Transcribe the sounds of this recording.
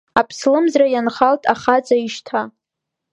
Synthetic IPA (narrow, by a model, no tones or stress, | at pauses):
apʰslɨmzrajanχaltʼaχat͡sʼaiʃtʰa